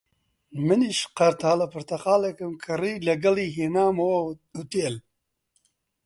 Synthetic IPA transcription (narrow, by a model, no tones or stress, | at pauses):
mɨniʃqɐɾt̪ʰaːlɐpʰɨɾt̪ɐqaːlekɨmkʰɨriːlɐɡɐliːɦeːnaːmɐwɐut̪eːl